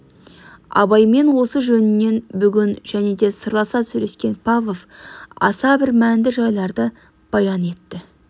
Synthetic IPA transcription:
ɑ̰bɑjme̞nwo̞səʒɵnɪnːe̞nbʏɡʲɪnʒ̥æne̞d̪e̞səɾlˠɑsɑsʉɾe̞skʲe̞npʰavlˠofɑ̰sɑbɪɾmænd̪ɪʒɑjlˠɑɾd̪ə | b̥ɑjɑne̞t̪ːɪ

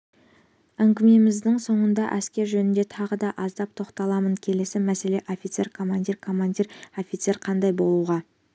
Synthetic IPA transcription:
æŋɡʲɪme̞mɪzd̪ɪŋso̞ɴənd̪ɑʔæskʲe̞ɾʒɵnɪnd̪e̞t̪ʰɑʁəd̪ɑʔɑzd̪ɑp̚t̪ʰo̞qt̪ɑlˠɑmənkʲʰe̞le̞sɪmæse̞le̞ʔo̞fʲijt̪se̞ɾkʰo̞mand̪ʲiɾkʰo̞mand̪ʲiɾo̞fʲit̪se̞ɾqʰɑnd̪ɑjbo̞lˠuʁɑ

